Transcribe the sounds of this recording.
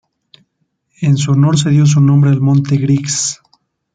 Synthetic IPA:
ens̬uono̞ɾs̬e̞ðjo̞s̬unõ̞mbɾeːlmõ̞nt̪eɣɾiks

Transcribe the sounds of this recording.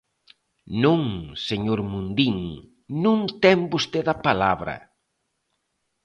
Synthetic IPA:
nũŋseɲoɾmũnd̪iŋ | nũŋt̪ɛmbost̪eðɐpalaβɾɐ̰

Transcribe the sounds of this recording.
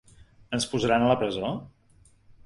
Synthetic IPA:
ənspuzəɾanələpɾəzo

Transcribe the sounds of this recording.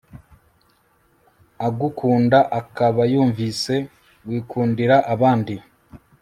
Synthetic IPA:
aɡukʰuːndaʔakaβajuːɱvise̞ | wiːkʰuːndiɾaʔaβaːndi

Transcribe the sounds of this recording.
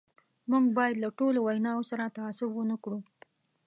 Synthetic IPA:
muŋɡbɑjad̪laʈolowajnɑosaɾat̪aːsʊbwənakɽu

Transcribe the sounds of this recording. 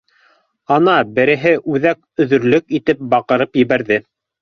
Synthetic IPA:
ɑnɑbɘ̆ɾɘ̆ɦɘʔʉðæk̚ | ɵ̆ðɵ̆ɾlɵkit̪ɘp̚bɑqɤ̆ɾɤpjɘ̆βæɾðɘ

